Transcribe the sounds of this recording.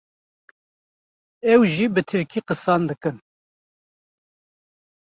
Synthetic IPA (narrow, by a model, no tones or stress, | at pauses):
ɛwʒiːbɨt̪ʰɨɾkʰiːqɨsɑːnd̪ɨkɨn